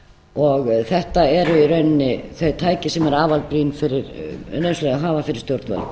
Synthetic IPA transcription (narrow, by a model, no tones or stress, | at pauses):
ɔɣθɛht̪aɛɾʏiɾœɥnːɪθœɥðt̪ʰaːjcɪsɛmɛɾaːvalpɾiːnfɪɾɪɾnœslɛɣaɦaːvafɪɾɪ̥st̪jowɾt̪va̰l